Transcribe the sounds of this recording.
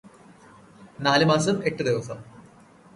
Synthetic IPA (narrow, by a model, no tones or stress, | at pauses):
naːlɨmaːsɐme̞ʈːɨd̪iʋɐsɐm